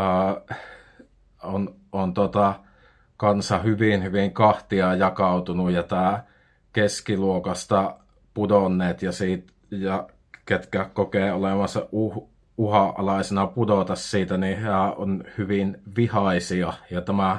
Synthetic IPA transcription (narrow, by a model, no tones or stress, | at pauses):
ɑː | onʔont̪ot̪ɑ | kɑnsɑhyʋinhyʋiŋkɑht̪iɑjɑkɑˑut̪unujjɑt̪æː | keskiluokɑst̪ɑ | pudonːeːt̪jɑsiːt̪ | jɑ | ket̪kækkokeːolemɑsɑʔʔuh | uhɑʔʔɑ̰lɑˑisenɑpudot̪ɑssiːt̪æniheæˑonhyʋinʋihɑisiɑjɑt̪æmæ